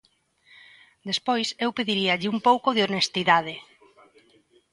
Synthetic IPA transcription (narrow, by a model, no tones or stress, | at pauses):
d̪espojsewpeðiɾiaʎɪumpowkoðeonest̪iðað̞ɪ